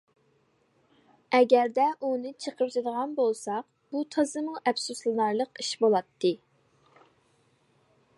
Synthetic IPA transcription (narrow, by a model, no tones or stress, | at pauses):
ɛɡʲæɾd̪ɛʔunɨt͡ʃʰəqʰəɾt̪ʰɨd̪əʁɑnbolˠsɑq | b̥ut̪ʰɑzɨməŋʔɛpsuslˠɨnɑɾlˠəqiʃbolˠɑt̪ʰːɨ